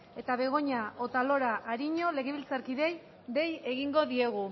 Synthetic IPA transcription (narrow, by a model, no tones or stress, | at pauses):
e̞t̪aβe̞ɣ̞o̞ɲao̞t̪alo̞ɾaʔːɾiɲo̞le̞ɣeβilt͡saɾkiðe̞j | d̪e̞je̞ɣiŋɡo̞ðie̞ɣ̞u